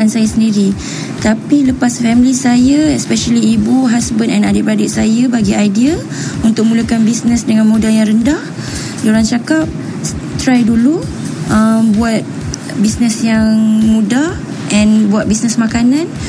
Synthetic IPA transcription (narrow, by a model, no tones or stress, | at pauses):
ansajasəndiɾi | t̪apiləpasfɛmilisajaɛspɛʃəliːbuɦasbənɛ̃nadit̚badɪt̪̚sajabaɡiajdia | unt̪ʊk̚mũləkanbisnə̃sdəŋãnmũdajaŋɾəndah | joɾaŋt͡ʃakap̚ | t̪ɾajdulu | ʔəmbuat̪̚ | bisnəsjaŋmũdah | ʔɛ̃nbuat̪̚bisnəsmakanãn